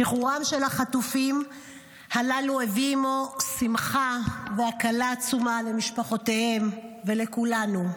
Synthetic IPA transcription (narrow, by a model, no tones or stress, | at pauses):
biχuʁamʃe̞lhaχatufim | halaluevimosimχaveakalaːt͡sumale̞miʃpaχo̞tehe̞mve̞le̞kulanu